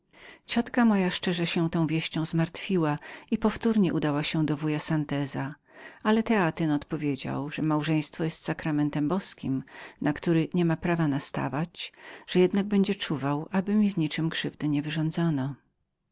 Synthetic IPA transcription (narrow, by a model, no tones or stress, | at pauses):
t͡ɕɔt̪kamɔjaʂt͡ʂɛʐɛɕɛ̃t̪ɔ̃w̃vʲjeɕt͡ɕɔ̃w̃zmaɾt̪fʲiwaipɔft̪uɾɲɛʔud̪awaɕɛd̪ɔvujasant̪ɛza | alɛt̪ɛat̪ɪnɔt̪pɔvʲjed͡ʑa̰wʐɛmawʐɛ̃j̃st̪fɔjɛst̪sakɾamɛnt̪ɛmbɔskʲimnakt̪uɾɘɲɛmapɾavanast̪a̰vat͡ɕʐ̥ɛjɛd̪naɡ̚bɛɲd͡ʑɛt͡ʂuvawʔabɘmʲivɲit͡ʂɘmkʂɘvd̪ɘɲɛvɘʐɔ̃nd̪zɔnɔ